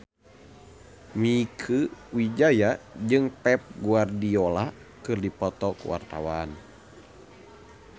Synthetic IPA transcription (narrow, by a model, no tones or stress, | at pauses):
mikʰɨwid͡ʒajad͡ʒɨŋpɛp̚ɡuardiola | kɨrdipɔt̪ɔkṵwa̰rt̪a̰wan